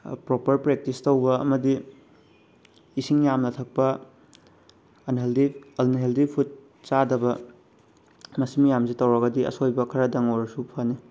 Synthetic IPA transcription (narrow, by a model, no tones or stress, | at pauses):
pɾopɐɾpɾek̚tistɐwbɐɐ̰mɐdi | siŋjamnɐtʰɐk̚pɐ | nldiɐlnɦeldipʰut̚ | sadɐbɐ | mɐsimijamsitɐwɾɐɡɐdiɐ̰sojbɐkʰɐɾɐdɐŋoɾɐsupʰani